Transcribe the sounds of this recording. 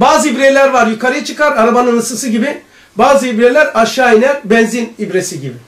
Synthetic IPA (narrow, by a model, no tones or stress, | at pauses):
baːzɯibɾelʲæɾvaɾjukʰaɾɯjɯt͡ʃʰɯkaɾaɾabanɯnɯsɯsɯɟibi | baːzɯibɾelʲæɾaʃaːinʲæɾbɛnzinibɾesiɟibi